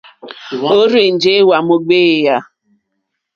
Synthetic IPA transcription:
o˦ɾi˨n̩˨d͡ʒe˦wa˨mo˦ɡ͡be˦ja˦

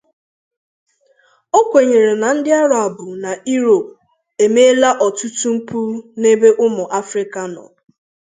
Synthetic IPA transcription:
o˦kʷe˨ɲe˨ɾe˨na˨n̩˦dɪ˦a˦ɾa˨a˨bʊ˨na˨i˦ɾo˨p̚ | e˨me˦la˦ʔɔ˨tu˦tu˦m̩˦pu˦ɾne˦be˦ʔʊ˦mʊ˨ʔa˦fɾɪ˦ka˨nɔ̰˨

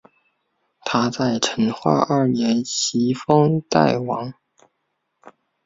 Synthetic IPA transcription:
t̪ʰa˥t͡sa˥˩ɪʈ͡ʂʰə˧˥nxwa̰˥˧ʔɐ˞˥˩njɛ˧˥nɕi˧˥fɤ˥ŋt̪a˥˩ɪwɑ˧˥ŋ

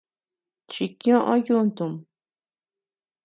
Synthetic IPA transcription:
t͡ʃi˧kj̃õ˦ʔõ˦ju˦nt̪u˨m

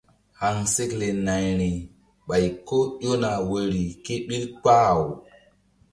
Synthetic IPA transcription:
ha˨ŋse˦kle˨na˨jɾi˨ | ɓa˨jko˦ɗo˦na˨we˨ɾi˨ke˦ɓi˦ɾk͡pa˦˨w

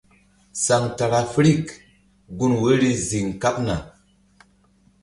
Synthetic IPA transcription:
sa˨ŋta˨ɾa˨fɾi˦˨k | ɡu˦nwe˦ɾi˦zi˨ŋka˦p̚na˨

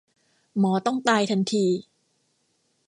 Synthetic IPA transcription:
mɔː˩˦t̪ɔ˥˩ŋt̪aː˧jt̪ʰa˧nt̪ʰiː˧

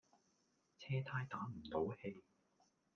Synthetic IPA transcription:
t͡sʰɛː˥t̪ʰaː˧jt̪aː˨˥m̩˨˩t̪o˨˥whe˧j

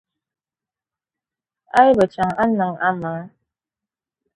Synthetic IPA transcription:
a˦jbə˨t͡ʃa˨ŋa˦na˨ŋa˦ma˨ŋə˦

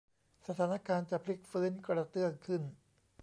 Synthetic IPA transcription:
sa˧t̪ʰaː˩˦na˦˥˧kaː˧nt͡ɕa˨˩pʰli˦˥k̚fɯː˦˥nkɾa˧t̪ɯ˥˩əŋkʰɯ˥˩n

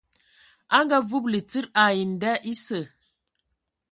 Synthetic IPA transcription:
a˦ŋɡa˦vu˦p̚li˨t͡si˦ɾa˨ji˨n˨da˦ʔi˦sə˨

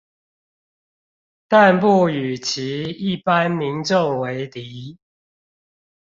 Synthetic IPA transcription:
t̪a˥˨np̬u˥˩y˨˩t͡ɕʰi˨˦i˥˩pa˦nmi˨˦nʈ͡ʂo˥˨ŋwe˨˦ɪt̪i˨˦

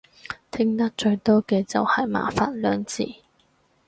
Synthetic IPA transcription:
t̪ʰɪ˥ŋt̪ɐ˥k̚t͡ʃɵ˧ɥt̪ɔː˥kɛː˧t͡sɐ̰˨whɐ˨˩jma̰ː˨˩faː˨n̚lœː˨˧˥ŋt͡sḭː˨˩

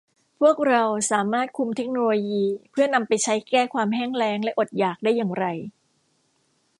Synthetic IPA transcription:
pʰu˥˩ək̚ɾa˧wsaː˩˦maː˥˩t̪̚kʰu˧mt̪ʰe˦˥k̚noː˧loː˧jiː˧pʰɯ˥˩ɐna˧mpa˧jt͡ɕʰa˦˥jkɛː˥˩kʰwaː˧mɦɛː˥˩ŋɾɛː˦˥ŋlɛ˦˥ʔo˨˩t̪̚jaː˨˩k̚daː˥˩jːaː˨˩ŋɾa˧j

